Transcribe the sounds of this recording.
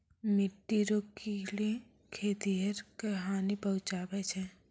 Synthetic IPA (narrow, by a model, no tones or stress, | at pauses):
mɪʈːiɾoːkile | kʰeːt̪iɦɐɾkɐɦaːnipɐɦʊt͡ʃaːbet͡ʃʰɛ